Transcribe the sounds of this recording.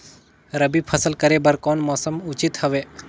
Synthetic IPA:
ɾəbipʰəsəlkəɾebəɾkɔːnmɔːsəmʊt͡ʃit̪həʋeː

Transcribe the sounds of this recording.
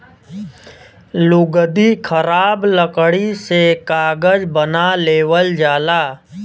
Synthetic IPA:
lʊɡd̪ikʰəɾaːbləkɽisekaːɡəd͡ʒbənaleːʋəld͡ʒaːlaː

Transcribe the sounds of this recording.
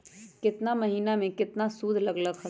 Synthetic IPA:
kɪt̪namɐɦiːnamẽkɪt̪nasuːd̪ʱlɐɡləkxʰə

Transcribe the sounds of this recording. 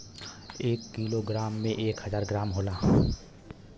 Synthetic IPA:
eːkːiːloɡɾaːmːẽʔeːkɦəzaːɾɡɾaːmɦoːlaː

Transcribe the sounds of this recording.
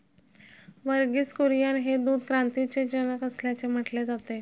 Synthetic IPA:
ʋəɾɡiːt͡skuɾjanɦed̪uːd̪kɾant̪it͡sed͡ʑənəkəsljat͡sem̤əʈled͡zat̪e

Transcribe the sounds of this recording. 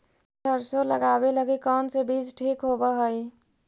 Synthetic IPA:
dəɾsoləɡabeləɡikənsebid͡ʒʈʰikɦobəɦəj

